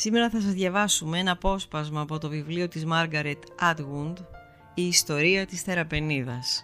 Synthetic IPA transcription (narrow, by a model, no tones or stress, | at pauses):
sime̞ɾɐθɐsɐzðʝɐvɐsumeenɐpo̞spɐzmɐːpo̞t̪o̞vivlio̞t̪izmɐɾɡɐɾet̪ɐd̪ɣund̪ | iːst̪o̞ɾiɐt̪isθe̞ɾɐpe̞niðɐs